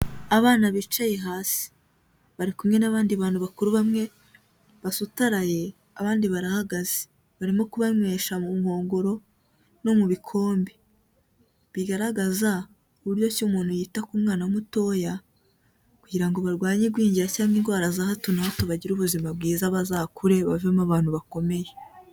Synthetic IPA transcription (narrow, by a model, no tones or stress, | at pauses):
aβaːnaβit͡ʃajeɦaːsi̥ | βaɾikumŋe̞naβaːndiβaːnuβakuɾuβamŋe̞ | βasutaɾaje̞ | aβaːndiβaɾahaɡaze̥ | βaɾimo̞kuβaɲweːʃamumho̞ːŋɡo̞ɾo̞ | no̞muβikʰo̞ːmbi | βiɡaɾaɡaza | uβuɾjo̞cumuːn̥hujiːtakuːmŋaːnaumuto̞ja | kuɟiɾaŋɡo̞βaɾɡwaːɲeɡwiːɲɟiɾacaːŋɡinɡwaɾazahatunahotoβaɟiɾuβuzimab̚ɡiːzaβazaːkuɾe̞βavemaβaːn̥uβako̞me̞je